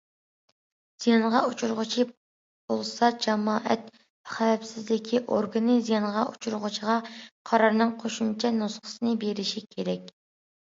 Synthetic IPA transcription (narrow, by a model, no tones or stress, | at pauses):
z̥ijɑnʁɑut͡ʃʰuɾʁʊt͡ʃʰi | b̥olˠsɑd͡ʒɑmɑːʔɛt̪̚ | pɛχævɛpsɪzlɪkʲʰiʔoɾɡɨnɨzijɑnʁɑʔṵt͡ʃʰuɾʁʊt͡ʃʰiʁɑqʰɑɾɑɾnɨŋqʰoʃumt͡ʃʰɛnusχə̥sɨnɨbeɾɪʃikʲʰeɾɛkʲ